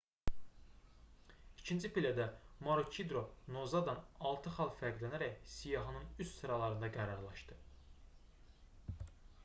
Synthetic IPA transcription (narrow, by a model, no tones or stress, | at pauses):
icʰint͡ʃʰipilæd̪æmoɾut͡ʃʰid̪ɾo̞no̞zɑd̪ɑnɑlˠt̪ʰɯχɑlˠfæɾɡlænæɾæcsijɑɦɯnɯnyssɯɾɑlˠɑɾɯnd̪ɑɡæɾɑɾlˠɑʃd̪̥ɯ